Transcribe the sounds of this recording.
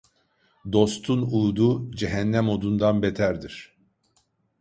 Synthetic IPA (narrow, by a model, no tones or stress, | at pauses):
d̪o̞st̪ʰunuːd̪ud͡ʒeɦænːæmo̞d̪und̪anbet̪ʰæɾd̪iɾ̥